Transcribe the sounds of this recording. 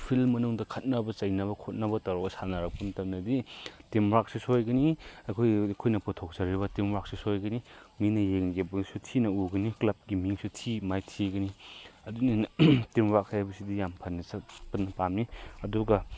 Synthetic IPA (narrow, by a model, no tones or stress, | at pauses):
pʰilmːɐnuŋdɐkʰɐt̚nɐbɐt͡ʃɐjnɐβɐkʰot̚nɐbɐtɐɾɔksanaɾɐk̚pɐmtɐmnɐditimɾak̚sisojɡɐniɐkʰojkʰojnɐputʰok̚zɐɾiβɐtimwak̚sisojɡɐniminɐjeŋɡebɐɡisutʰinɐuɡɐniklɐp̚ɡimiŋsutʰimajtʰiɡɐniɐdunitimwak̚hajabɐsidijampʰɐnːɐsɐpɐtnːɐpamniɐduɡɐ